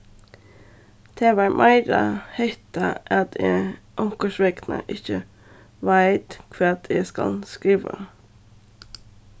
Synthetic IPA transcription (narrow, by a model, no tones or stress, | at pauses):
t̪ʰeːʋæɾmʔæɪɾə̰hɛɪt̪əʔɑt̪ʰe | ʔɔŋkəʃʋɛknə̰ʔɪçə | ʋæɪt̪kʰʋɛːɑt̪ʰjeskɑ̰lskɾiːʋə̰